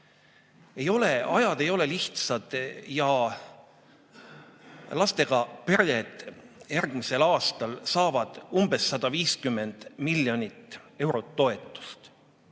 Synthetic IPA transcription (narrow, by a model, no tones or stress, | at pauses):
e̞jo̞le̞ɑjɑd̪̥e̞jo̞le̞liht̪sɑd̪̥jɑ | lɑst̪e̞ɡ̥ɑpeɾjed̪̥jærɡ̥mise̞lɑːst̪ɑlsɑːvɑd̪̥umb̥e̞sːɑd̪̥ɑviːskymːe̞nd̪̥miljo̞nʲit̪ːe̞wɾo̞t̪ːo̞e̞t̪ˑːu̥st̪